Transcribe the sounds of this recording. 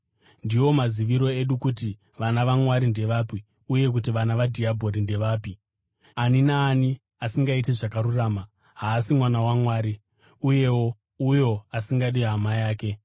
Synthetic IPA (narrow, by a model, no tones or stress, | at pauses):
ndiwo̞maziʋiɾo̞e̞ɗukuti | ʋanaʋamwaɾinde̞ʋaːpi | uje̞k̬ut̬iʋanaʋadʱiabʱo̞ɾinde̞ʋaːpi | aninaːni | asiŋɡaiteʐakaɾuraːma | ɦaːsimwanawamwaːɾi | uje̞wo̞ | ujo̞asiŋɡaɗiamajaːke̞